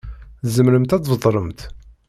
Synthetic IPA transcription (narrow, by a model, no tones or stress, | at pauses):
θzəmɾəmt̪æt͡s̪vəðˤɾˤəmt̪